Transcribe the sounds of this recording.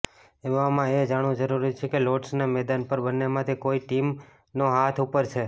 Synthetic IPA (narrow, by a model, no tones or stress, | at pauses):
eʋamãed͡ʒaɽ̃ũd͡ʒəɾuɾit͡ʃʰekeloʈsnamɛd̪anpəɾbənːemãt̪ʰikoiʈim | noɦat̪ʰupəɾt͡ʃʰe